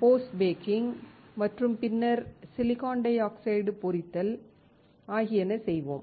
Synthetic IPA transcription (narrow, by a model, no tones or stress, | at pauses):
poːsʈbeːkɪŋɡmɐʈrɯmpɪnːɐɾsɪlɪɣaːɳɖɐɪaːksɐɪɽɯpʊɾɪt̪ːɐl | aːɣɪjɛnːɐsɛjʋo̰ːm